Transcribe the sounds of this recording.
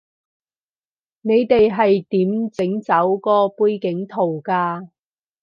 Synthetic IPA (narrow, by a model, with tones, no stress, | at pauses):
ne˨˧jt̪e˨jɦɐ˨jt̪iː˨˥mt͡sɪ˨˥ŋt͡sɐ˨˥wkɔː˧puː˧jkɪ˨˥ŋt̪ʰo˨˩wkaː˧